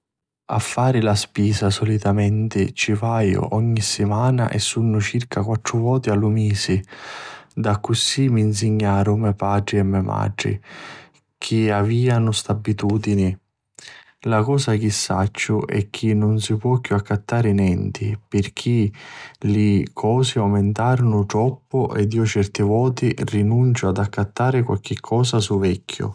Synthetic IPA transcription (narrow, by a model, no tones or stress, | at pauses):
a̰fːaːɾɪlaspiːsasɔlit̪amɛnt̪ɪt͡ʃifajʊ̰ʔɔɲːisɪmaːna̰ʔɛ̰sːunːʊt͡ʃirkʰakwat̪ːɾʊvɔːt̪ɪalʊmiːsɪ | d̪akːʊsimiːns̬ɪɲːaːɾʊmɛpaːɖɾiɛmːɛma̰ɖɾḭ | kʰiaviːanʊst̪abːit̪uːd̪inɪ | lakɔːsak̟isːat͡ʃːʊʔɛ̰k̟ːinːʊnsipwɔkːjuakːat̪ːaːɾɪnɛnt̪ipɪrk̟ʰilɪkʰɔːsɪawmɪnt̪aːɾʊnʊt̪ɾɔpːʊʔɛd̪iːʊt͡ʃɛrt̪ɪvɔːt̪irinunt͡ʃʊad̪akːat̪ːaːɾɪkwa̰lk̟ɪkʰːɔːsasuvɛkʰːjʊ̰